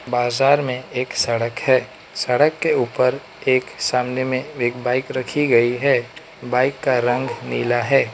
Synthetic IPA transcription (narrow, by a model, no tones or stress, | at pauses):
baːzaːɾmẽeːksɐɽəkhɛː | sɐɽəkːeuːpəɾ | eːksaːmnɛmẽeːkbaːɪkɾɐkʰiɡɐiɦɛː | baːɪkːaɾə̃ŋɡniːlaɦɛː